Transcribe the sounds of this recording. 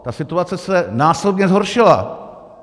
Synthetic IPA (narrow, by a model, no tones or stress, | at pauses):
t̪asɪt̪uat͡sɛsɛnaːslɛbɲɛzɦoɾʃɪla̰